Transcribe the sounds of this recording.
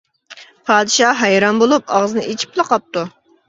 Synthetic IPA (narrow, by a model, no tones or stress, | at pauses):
pʰɑːd̪ɨʃɑɦɑjɾɑnbolˠup̚ɑʁzɨnɨʔet͡ʃʰi̥pʰlˠəqʰɑp̚t̪u